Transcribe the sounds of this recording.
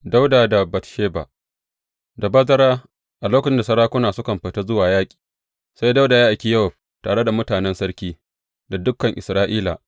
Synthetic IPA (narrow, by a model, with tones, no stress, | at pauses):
da˦wdaː˨da˨bɐ˨tʃeː˦ba̰˨ | da˨bɐ˦zɐ˦ɽaː˦ | ʔa˨loː˦kɐ˨t͡ʃɪ˦nda˨sɐ˦ɾaː˦kʷʊ˦naː˨sʊ˦kɐ˨mɸɐ˨ta˦zʊ˦waː˨jaː˦kʲʼi̥ː˨ | sa˦jda˦wdaː˨jaː˦ʔa˨kʲi˦jɐ˦ɔ˨ɸ | taː˨ɽe˦da˨mʊ˦taː˨nɛ˦nsɐ˦ɽkʲiː˦ | da˨dʊ˦kːɐ˨ŋʔɪ̰˨sɾaː˦ʔiː˦la̰˨ʔ